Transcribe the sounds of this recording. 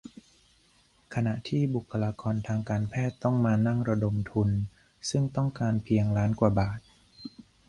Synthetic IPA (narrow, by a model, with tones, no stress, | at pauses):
kʰa˧na˨˩ʔt̪ʰiː˥˩bu˨˩kʰːa˧laː˧kɔː˧nt̪ʰaː˧ŋkaː˧npʰɛː˥˩t̪ːɔ˥˩ŋmaː˧na˥˩ŋɾa˧do˧mt̪ʰu˧n | sɯ˥˩ŋt̪ɔ˥˩ŋkaː˧npʰi˧əŋlaː˦˥nkwaː˨˩baː˨˩t̪̚